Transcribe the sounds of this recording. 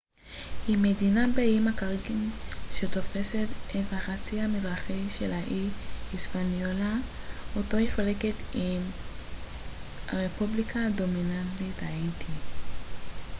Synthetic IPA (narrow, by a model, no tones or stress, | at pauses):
imːedinabeimakaʁɡinʃe̞t̪o̞fe̞se̞t̪ethaχat͡siamidʁaχiʃelaʔiispanjola | oto̞hiχaleke̞tim | aʁepublikʰado̞minantithaitʰi